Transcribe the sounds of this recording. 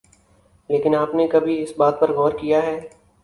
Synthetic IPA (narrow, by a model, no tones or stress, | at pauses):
leːkɪnaːpnekɐbʱiɪsbaːt̪̚pɐɾɣɔːɾkijaɦɛː